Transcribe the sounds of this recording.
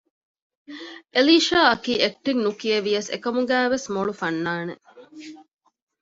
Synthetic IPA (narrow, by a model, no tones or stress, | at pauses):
ʔeliːʃaːɐkiːek̚ʈiŋnukieʋijɐsḛkɐmuɡæːʋesmoɭufɐnːaːnḛ